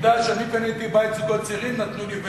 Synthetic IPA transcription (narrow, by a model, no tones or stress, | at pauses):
d̪aʃanipenet̪ibajt̪zuɡot̚t͡siʁimnat̪nulib